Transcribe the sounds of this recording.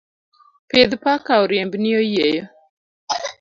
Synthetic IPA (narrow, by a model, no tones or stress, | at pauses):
ped̪pakaɔɾjembnɪojejo